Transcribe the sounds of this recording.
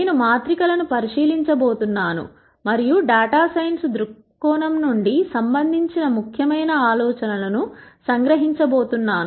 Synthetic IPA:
neːnumaːt̪ɾikɐlɐnupɐɾiʂiːliɲt͡ʃɐbo̞ːt̪unːaːnṵ | mɐɾijuɖaːʈaːsɐjnsd̪ɾuk | kːɔːnɐmnuɳɖisɐmbɐnd̪ʱiɲt͡ʃinɐmukʰjɐmɐjnɐaːlɔːt͡ʃɐnɐlɐnusɐŋɡɾɐɦiɲt͡ʃɐboːt̪unːaːnu

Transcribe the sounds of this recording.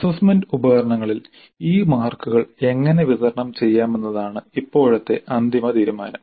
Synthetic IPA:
ɐsɐːsmɐndubɐɣɐɾɐɳɐŋːɐɭil | iːmaːrkuɣɐɭe̞ŋːɐneʋiðɐɾɐɳɐmt͡ɕe̞jːaːme̞nːɐðaːɳɨipːo̞ːɻɐt̪ːe̞ʔɐnd̪ʱimɐt̪iːɾumaːnɐm

